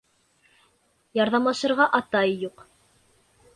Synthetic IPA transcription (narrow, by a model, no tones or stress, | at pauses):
jɑɾðɑmlˠɑʃɤ̆ɾʁɑʔɑt̪ɑjːuq